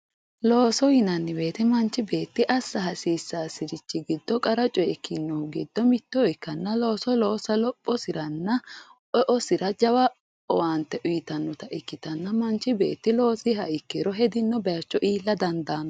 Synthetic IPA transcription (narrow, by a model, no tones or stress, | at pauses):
lo̞ːsɔjɪnɐnːɪbe̞ːt̪ɛmɐnt͡ʃːɪbe̞ːt̪ːɪʔɐsːɐɦɐsiːsːaːsɪɾɪt͡ʃːɪɡɪd̪ːɔkʼɐɾɐt͡ʃʼɔjɛkʰːɪnːɔɡɪd̪ːɔmɪt̪ːɔɔjkːɐnːɐlo̞ːsɔloːsɐlɔpʼːɔsɪɾɐnːɐʔɔʔɔsɪɾɐd͡ʒɐwɐ | ɔwant̪ɛʔʊjɪt̪ɐnːɔt̪ɐʔɪkːɪt̪ɐnːɐmɐnt͡ʃːɪbe̞̰ːt̪ːɪlo̞ːsɪhɐʔɪkːeːɾɔɦɛd̪ɪnːɔbɐjɐt͡ʃːɔʔiːlːɐd̪ɐnd̪aːnɔ